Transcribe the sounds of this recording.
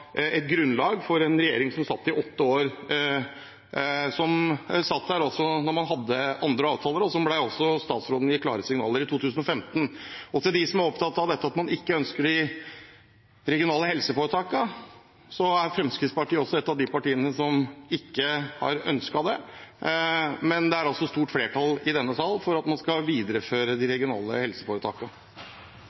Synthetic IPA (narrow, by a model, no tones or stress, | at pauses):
ɛt̪̚ɡɾʉnlɑːɡfɔɾɛnɾɛjeːɾɪŋsɔmsɑt̪ːɪʔɔt̪ːəoːɾ | sɔmsɑt̪ːd̪æɾɔsɔnɔɾmɑnɦɑd̪ːəʔɑnd̪ɾəɑːʋt̪ʰɑːləɾɔsɔmblæɪɔsɔst̪ɑːt̪sɾoːd̪njɪkʰːlɑːɾəsɪŋnɑ̰ːləɾɪt̪ʰuːt̪ʰʉːsn̩ɔfɛmt̪n̩ɔt̪ɪld̪ɪsɔmæɾɔpt̪ʰɑt̪ːɑʋd̪ɛt̪ːəɑt̪mɑnɪkːəœnskəɖɪ | ɾɛɡɪʊnɑːləhɛlsəfoːɾət̪ʰɑːkɑ | sɔæɾfɾɛmskɾɪt̪spɑʈiːəɔsːɔɛt̪ːɑʋd̪ɪpɑʈiːənəsɔmɪkːəhɑ̰ɾœ̰nskɑd̪ɛ | mɛnd̪ɛæɾɑlsɔst̪uːʈfleːʈʰɑlɪd̪ɛnːət̪ɑlːfɔɾɑt̪mɑnskɑʋiːd̪ɾəføːɾəd̪ɪɾɛɡɪʊnɑ̰ːlə̰hɛlsə̥foːɾət̪ʰɑ̰ːkɑ